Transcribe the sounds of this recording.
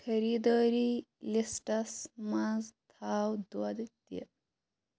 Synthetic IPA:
kʰəɾid̪ɔːɾi | lisʈɐsmazt̪ʰawd̪wad̪t̪jḛ

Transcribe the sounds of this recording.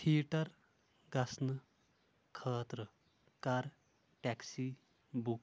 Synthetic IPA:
t̪ʰiːʈɐɾ | ɡasnə | kʰəːt̪ɾə | kaɾ | ʈɛksi | buk̚

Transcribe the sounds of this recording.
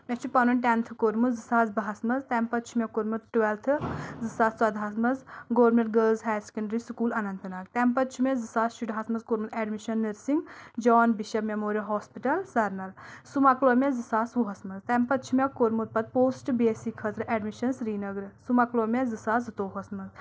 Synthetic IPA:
mʲet͡ʃʰupɐnunʲʈent̪ʰɨkoɾmuzɨsaːzbɐɦɐsmɐzt̪ɛmpɐt̪t͡ʃʰumʲekoɾmuɾʈʋelt̪ʰɨzɨsaːssɐd̪ʱɦaːsmɐzɡoːɾmeʈ̚ɡəːlzɦɛːse̥kɐɳɖɾisukuːlɐnɐnt̪ɨnaːɡt̪ɛmpɐt̪̚t͡ʃʰumezɨsaːzʃuɖɦaːsmɐzkoɾmuzeːɖmiʃɐnːiɾsiŋɡd͡ʒɔːnbiʃɐbmemoːɾijɐɦɔːspiʈɐlsɐɾnɐlsumɐklomezɨsaːsuɦɐsmɐzt̪ɛmpɐt̪t͡ʃʰumʲekoɾmut̪̚pɐt̪̚poːsʈbeːsikʰːɐt̪ɾɨʔeɖmiʃɐnsɾiːnɐɡɾɨsumɐklomezɨsaːzɨt̪oːɦɐsmɐz

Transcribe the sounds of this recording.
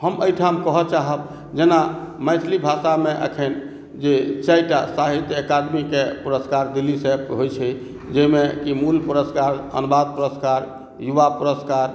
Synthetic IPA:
həməjʈʰamkəɦət͡ʃaɦəb | d͡ʒenaməjt͡ʃʰlibʱasameʔə̰kʰən | d͡ʒet͡ʃajʈasaɦit̪ekaɖmikepuɾəskaɾd̪ilːisẽɦojt͡ʃʰɛ | d͡ʒəjmekimulpuɾəskaɾə̰nbad̪̚puɾəskaɾ | juʋapuɾəskaɾ

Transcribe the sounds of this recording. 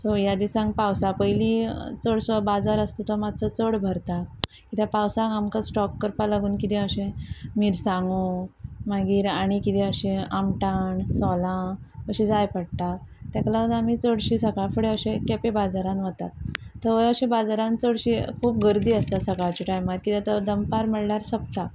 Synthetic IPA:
sɔjad̪isãŋɡpawsapəjlit͡səɽsɔbad͡zaɾəst̪ot̪amad̪̚t͡sət͡səɽbʱəɾt̪a | kit̪japawsãŋamkasʈɔkːəɾpalaɡuːnkit̪ɛ̃əɕẽmiɾsãŋɡumaɡiːɾaɽ̃ikit̪ɛəɕẽamʈaɳsɔlãəɕĩd͡zajpəɽt̪at̪jaklaənamit͡səɽɕisəkafəɽeəɕẽkɛpebad͡zaɾãnʋət̪a̰t̪ːəʋəjəɕẽbad͡zaɾãnt͡səɽɕikʰuːpɡəɾd̪iːəst̪asəkaɭt͡ɕiʈajmaɾkit̪at̪əd̪əmpaɾməɽɳaɾsəp̚t̪a

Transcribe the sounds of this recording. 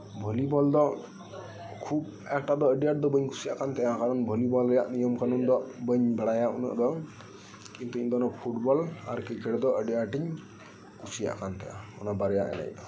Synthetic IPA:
bʱɔlibɔld̪ɔʔ | kʰub̚ | ɛk̚ʈad̪ɔəɖijaʈ̚d̪ɔbəɲkʰu̥sijaʔkant̪ɛjakaɾɔnbʱɔlibɔlɾɛjaʔnijɔmkanund̪ɔʔbəɲbaɽajaṵna̰ʔd̪ɔ | kint̪uiɲd̪ɔnɔpʰuʈbɔla̰ɾkikɛɽɛd̪ɔʔəɖijaʈiɲ | kusija̰ʔkant̪ɛja̰ɔ̰nabaɾɛja̰ʔɛ̰na̰jd̪ɔ

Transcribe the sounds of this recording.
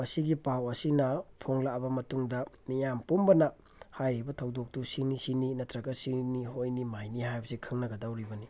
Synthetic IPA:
mɐsiɡipawɐsinɐpʰoŋlabɐmɐtuŋdɐmijampumbɐnɐ | hajɾibɐtʰɐwdok̚tusinisininɐtʰɾɐɡɐsiniɦojnimajnihajbɐsikʰɯŋnɐɡɐdawɾibɐni

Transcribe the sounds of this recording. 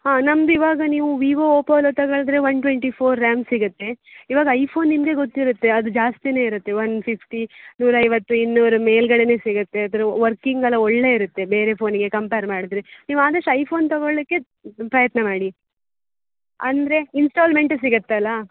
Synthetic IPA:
haːnɐmd̪uiʋaːɡɐniːʋuʋiːʋooːpɐʋlot̪ɐɡɐɭɐd̪ɾeʋɐnʈʋeɳʈipʰoːɾːaːmsiɡut̪ːe̞iʋaːɡɐɐjpʰo̞ːnːimɡe̞ɡot̪ːiɾut̪ːe̞ɐd̪ud͡ʒaːst̪ine̞ːiɾut̪ːe̞ʋɐnpʰipʰʈinuːɾɐɐjʋɐt̪ːuinːuʋɾume̞ːlɡɐɭene̞ːsiɡut̪ːe̞ɐd̪ɾeʋɐɾkiŋɡɐlɐoɭːe̞iɾut̪ːe̞be̞ːɾe̞pʰo̞ːniɡe̞kɐmpeːɾmaːɽid̪ɾeniːʋuaːd̪ɐʂʈɐjpʰo̞ːnt̪ɐɡoɭikːe̞ | pɾɐjɐt̪nɐmaːɽi | ɐnd̪ɾeinsʈaːlme̞ɳʈs̬iɡɐt̪ːɐlːɐ

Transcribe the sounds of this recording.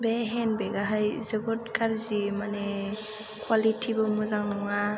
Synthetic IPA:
beɦenbeɡaɦajzebɔtkʰaɾzimane | kʰwalitʰibɔmuzaŋnɔŋa

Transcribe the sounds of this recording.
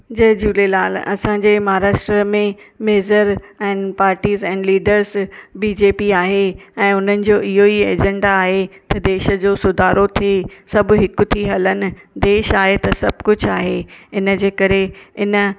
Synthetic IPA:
d͡ʑɐɦd͡ʑuːlelaːlɐ̰sãɲd͡ʑeːmaːɾaːʃʈɾəmẽmeːzəɾɛ̃ːnpaːɾʈiːzɛ̃ːnɖliːɖəɾzbiːd͡ʑeːpiaːɦeɛ̃ːʊn̤ənɪ̆d͡ʑoːʔɪɦoieːd͡ʑɛ̃ɳɖaːɦet̪ɐd̪eːʃəd͡ʑoːsʊd̪ʱaːɾot̪ʰesɐbɦɪkʊt̪ʰiɦɐlənɪ̆d̪eːʃaːɦet̪ɐsɐbʱkʊd͡ʑʱaːɦeːɪnə̆d͡ʑeːkɐɾeɪnə̆

